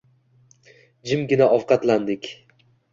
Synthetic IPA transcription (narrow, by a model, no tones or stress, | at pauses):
d͡ʒɪmɡʲɪnaʔɒwqʰɑt̪land̪ɪkʲ